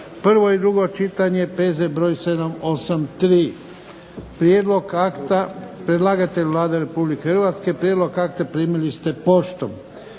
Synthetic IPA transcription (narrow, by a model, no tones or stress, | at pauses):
pr̩ʋo̞id̪ɾuɡo̞t͡ʃit̪aɲepezebɾo̞ːjse̞d̪amo̞samt̪ɾiː | pɾjed̪lo̞ɡakt̪apɾed̪laːɡat̪eʎʋlˠaːd̪eɾe̞publikexɾʋaːt̪ske̞pɾjed̪lo̞ɡakt̪apɾiːmilist̪e̞po̞ʃt̪o̰m